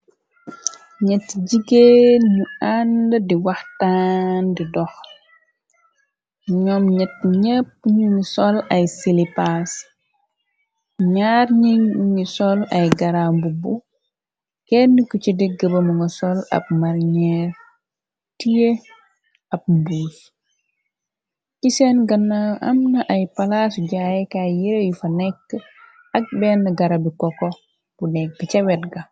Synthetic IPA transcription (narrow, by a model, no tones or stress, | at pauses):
ɲɛtːɟiɡenuandədiwɐxtandidɔx | ɲɔmɲɛt̚ːɲɛpːɲuŋisɔlɐjsilipas | ɲarɲiuŋisɔlɐjɡɐɾambubu | kɛnːikucidiɡɡɐbɐmuŋɡɐsɔlɐ̰b̚maɾɲɛɾ | tije | ɐb̚mbus | cisɛnɡɐnːaʔɐmnɐʔɐjpalaːsuɟajɛkajiɾejufɐnɛkː | ɐk̚bɛnːɐɡɐɾɐbikɔkɔ | b̥unɛk̚bicɛwɛtɡɐ